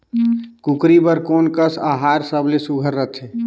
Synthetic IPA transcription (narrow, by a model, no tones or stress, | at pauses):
kukɾibəɾkoːnkəsaɦaːɾsəblesuɡʱəɾːət̪ʰeː